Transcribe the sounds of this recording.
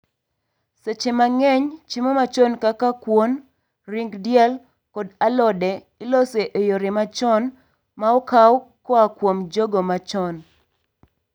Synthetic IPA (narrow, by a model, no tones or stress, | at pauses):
set͡ʃemaŋɛɲt͡ʃimomat͡ʃɔnkakakwon | riŋɡdjɛl | kɔdalɔdɛ | iloseʔejoɾɪmat͡ʃɔn | maɔkawkɔakwomd͡ʒoɡomat͡ʃɔn